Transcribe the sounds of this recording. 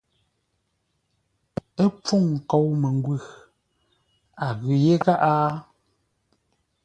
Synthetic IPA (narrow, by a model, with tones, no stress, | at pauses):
e˦p͡fu˦˨ŋ̩˨kɔ˨wme˨ŋ˦ɡwʉ˦˨ɣ | a˨ɣʉ˨je˦ka˦ʔaː˦